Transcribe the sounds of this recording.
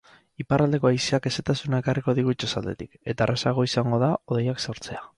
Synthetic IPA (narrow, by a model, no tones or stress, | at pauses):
iparald̪e̞ko̞ajsiake̞se̞t̪asunae̞kariko̞ðiɣ̞ut͡ʃosald̪e̞̰t̪ike̞t̪arasaɣ̞o̞isaŋɡo̞ðaoðejakso̞ɾt͡se̞a